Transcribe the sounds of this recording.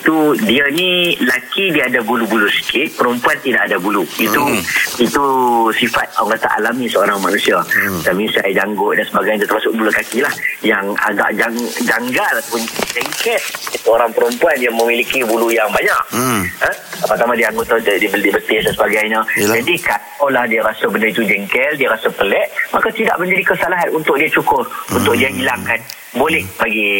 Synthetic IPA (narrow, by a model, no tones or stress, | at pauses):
it̪udiənilakidiadabulubulusə̥kɪʔ̪̚pəɾəmpuant̪idaʔadabuluit̪uit̪usifat̪̚aŋkat̪a̰ʔa̰lamisəoɾaŋmanusiat̪amisajdaŋɡʊʔ̚dansəbaɡajt̪t̪əɾmasʊk̚bulakakilahjaŋa̰ɡa̰ʔd͡ʒaŋd͡ʒaŋɡalat̪apʊnt͡ʃɛŋkɛlisuoɾaŋpəɾəmpuanjaŋmə̃milikibulujaŋbaɲaʔ̚əapaʔt̪amãdiaaŋɡʊt̪ːaddibədibət̪ɪsdansəbaɡajɲə̃d͡ʒadikat̪olahdiaɾasabənəɾit̪ud͡ʒɛŋkɛldiaɾasapəlɛʔmakat̪ida̰ʔmə̃ɲd͡ʒadikəsalaɦanunt̪ʊʔ̚diat͡ʃukʊrunt̪ʊk̚diaɦilaŋkan | bolɛhbaɡi